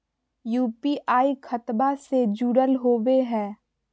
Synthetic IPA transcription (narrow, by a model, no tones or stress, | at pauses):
juːpiʔaːikʰət̪based͡ʒuːɽəlɦoːʋeɦɛ̃ː